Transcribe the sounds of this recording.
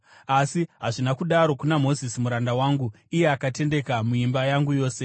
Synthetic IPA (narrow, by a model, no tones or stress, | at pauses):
asiɦaʐinakuɗaɾo̞kunamo̞zisimuɾandawaːŋɡu | ije̞akate̞nde̞kamuimbajaŋɡujo̞ːse̞